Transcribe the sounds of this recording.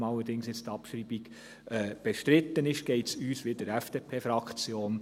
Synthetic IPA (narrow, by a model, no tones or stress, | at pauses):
mɑlːəɾd̥ɪŋsjɪt͡st̪ɑpʃɾiːbiɡ̥ | ɛːb̥eʃtɾɪt̪ːənɪʃɡ̥ɛɪtsyːsʋed̥əɾɛfd̥epʰeːfɾɑkt͡sjoːn